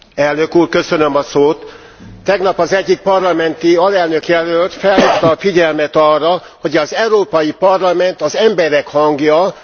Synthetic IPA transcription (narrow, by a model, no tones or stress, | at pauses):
ɛlnø̞kuːrkø̞sø̞nømɒsoːt̪ː | ɛɡn̪ɒpɒzɛɟːik̚pɒrlɒmɛnt̪iɒlɛlnø̞kjɛløːlt̪fɛlɦikt̪ɒt̪fiɟɛlmɛt̪ɒrːɒ | ho̞ɟɒzɛuɾoːpɒjipɒrlɒmɛnt̪ɒzɛmbɛɾɛkhɒŋɡjɒ